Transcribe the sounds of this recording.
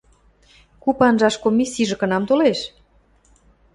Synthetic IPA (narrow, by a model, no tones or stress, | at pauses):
kupɑnʒɑʃkomʲisiʒɤ̆kɤ̆nɑmt̪oleʃ